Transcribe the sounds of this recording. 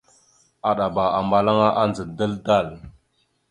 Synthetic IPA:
a˨ɗa˨ba˨a˨mba˨la˦ŋa˦ʔa˦nd͡zə˨də˦lda˦˨l

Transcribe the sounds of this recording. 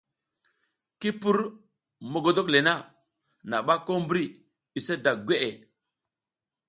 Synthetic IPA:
ki˦pu˦ɾ | mo˨ɡo˨do˦kle˨na˦ | na˨ɓa˦ko˦mbɾi˦ | i˨se˦da˨ɡʷe˦ʔe˨

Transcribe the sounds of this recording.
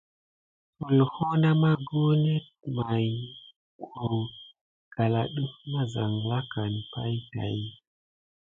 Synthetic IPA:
su˨lho˦na˦ma˦ɡo˦ne˦˨ | ma˨j | kʰo˨ | ɡ̥a˨la˨ɗu˦fma˦za˨ŋ˨la˦ka˨n˨pa̰˦jta̰˨ji˦

